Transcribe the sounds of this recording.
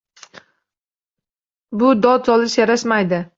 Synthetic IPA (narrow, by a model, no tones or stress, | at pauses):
bʊd̪ɒt̪sɒlɪʃjaɾaʃmajd̪ɪ